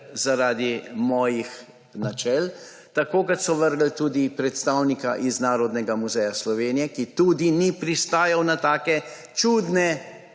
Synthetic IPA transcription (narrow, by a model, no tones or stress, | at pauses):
zaɾaːd̪imɔːjix | nat͡ʃɛl | t̪akoːkɐt̪sɔʋəɾɡl̩t̪uːd̪ipɾɛt̪st̪awnika̰ʔiznaːɾɔd̪nɛɡamuzɛjaslɔʋeːnijɛkit̪uːd̪inipɾist̪aːjawnat̪aːkɛ | t͡ʃuːd̪nɛ